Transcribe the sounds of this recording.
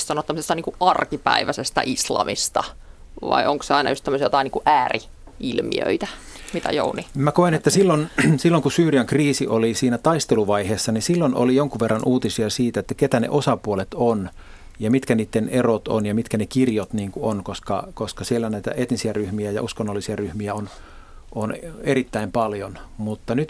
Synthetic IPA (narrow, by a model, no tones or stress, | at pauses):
sɑnot̪ːæmːsest̪ɑniːŋkuʔʔɑrkipæ̰iʋæsest̪ɑ̰ʔislɑ̰mist̪ɑ̰ | ʋɑ̰iʔoŋkseɑinɑ̰just̪æmːøsijot̪ɑˑiniːŋkuʔʔæːri | ilmḭø̰it̪æmit̪æ̰jo̰unimækoenet̪ːæsilːonsilːoŋkusyːriɑŋkriːsiʔolisiːnæt̪ɑist̪eluʋɑiheːsːɑnisilːono̰lijoŋkuʋʋerːɑnʔuːt̪isiɑsiːt̪æet̪ːæket̪ænḛʔosɑpuolet̪on | jɑmit̪kæniːt̪ːenerot̪o̰njɑmit̪kænekirjot̪niːŋkuonkoskɑ̰koskɑsielːænæit̪æ̰ʔet̪nisiæryhmiæjɑ̰uskonːolːisiæryhmiæon | oneɾit̪ːæimpɑljonmut̪ːɑnyt̪